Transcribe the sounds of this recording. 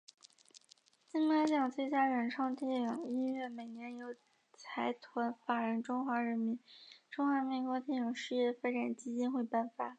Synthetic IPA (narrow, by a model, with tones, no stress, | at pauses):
t͡ɕi˥˩na˥t͡ɕjɑ˨˩ŋt͡swe˥˩t͡ɕja˥ɻə˨˩nʈ͡ʂʰɑ˥˧ŋt̪jɛ˥˩ɑ˨˩ŋi˥nɥɛ˥˩me˨˩ɪnjɛ˧˥njo˧˥ʊ | t͡sʰa˧˥ɪt̪ʰwa˧˥nfa˨˩ɻə˧˥nʈ͡ʂʊ˥ŋxwa˧˥ɻə˧˥nmi˧˥nnʈ͡ʂʊ˥ŋxwa˧˥mi˧˥nkwɔ˥t̪jɛ˥˩jʊ˨˩ŋʂɻ̩˥˧jɛ˥˩fa˥ʈ͡ʂa˨˩nt͡ɕi˥t͡ɕi˥nxwe˥˧ɪpa˥˩nfa˨˩˦